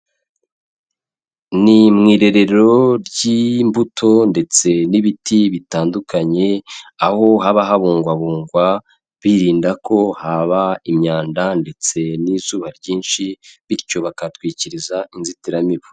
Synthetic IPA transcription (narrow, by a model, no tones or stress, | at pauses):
nimŋiːɾe̞ɾe̞ɾɾo̞ɾɟimbutʰo̞nde̞t͡se̞niβitʰiβitaːndukaɲe̞aho̞ɦaβaɦaβuːŋɡwaβuːŋɡwa | βiɾiːndakʰo̞haβaimɲaːndande̞t͡se̞nizuːβaɾɟiːnʃiβiɾco̞βakatwiːciɾizainzitiɾamiβu̥